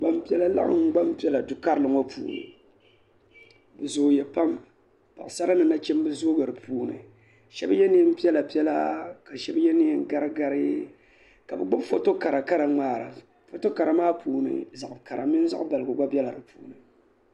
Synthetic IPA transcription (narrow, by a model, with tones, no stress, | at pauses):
ɡ͡ba˦mpi˦ɛ˦la˦la̰˦ʔŋ̩˦ɡ͡ba˦mpi˦ɛ˦la˨dʊ˨ka˦ɾɨ˦lɨ˨ŋo˦pʰṵː˨nɨ̰˨ | bɨ˨zoː˨jɛ˨pa˦m | pa˨sa˦ɾa˦nɨ˨na˦t͡ʃɛ˦m˦bɨ˦zoː˦ɡɨ˨ɾɨ˨puː˨nɨ̰˨ | ʃɛ˦bjɛ˦nɨ˦m̩˦pi˦ɛ˦la˨pi˦ɛ˦la̰˦ka˨ʃɛ˦bjɛ˦ni˦ŋ˦ɡa˦ɾɨ˦ɡa˨˦ɾɨ˦ | ka˨bɨ˨ɡ͡bo˦fo˦to˦ka˨ɾa˨ka˦ɾa˨ŋ͡maː˦˨ɾa̰˨ | fo˦to˦ka˨ɾa˨maː˦puː˨nɨ̰˨za˨ʔka˨ɾa˨mɪ˦n˦za̰˦ʔba˨lɨ˨ɡo˨ɡ͡ba˦bɛ˦la˨ɾɨ˨puː˨˦nɨ˨